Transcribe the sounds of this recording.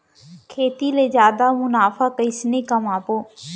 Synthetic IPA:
kʰeːt̪iːleːd͡ʒjaːd̪aːmʊnaːfʰaːkəɪsneːkəmaːpoː

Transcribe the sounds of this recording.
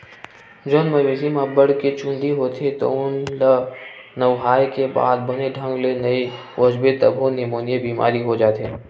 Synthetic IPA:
d͡ʒoːnmɐʋezimãbəɽket͡ʃʊ̃nd̪iɦoːt̪ʰet̪o̰ʊnlə | nəʋɦaːjkeba̰ːd̪bəneɖʱə̃ŋɡlenɐi | ʋəd͡ʒbet̪ə̰bʱonemoːnijebiːma̰ːɾiɦod͡ʒaːt̪eː

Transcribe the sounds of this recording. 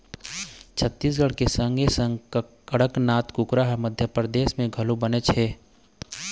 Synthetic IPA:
t͡ʃʰət̪ːiːs̬ɡəɽ̤kesə̃ŋɡesə̃ŋɡkəɽəknaːt̪kʊkɾaːɦməd̪ʱjəpɾəd̪eːsmẽɡʱɐlubənet͡ʃʰeː

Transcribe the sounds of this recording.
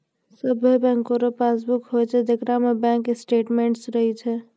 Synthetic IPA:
səbʱebɛ̃ŋkoɾepasbukɦojt͡ʃʰɛd̪ekɾamebɛ̃ːŋkesʈeːʈmeɳʈsɾəɦit͡ʃʰɛ

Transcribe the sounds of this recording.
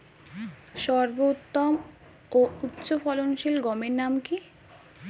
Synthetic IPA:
ʃɔɾbout̪ːom | out̪ːɕofɔlonʃilɡɔmeɾnamki

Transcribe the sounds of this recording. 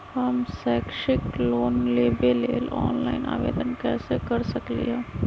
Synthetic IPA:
hɐmsɛːkʃɪkloːnleːbeleːlɔːnlaːɪnʔa̰ːʋḛːd̪ənkɛːsekɐɾsɐklḭɦɛː

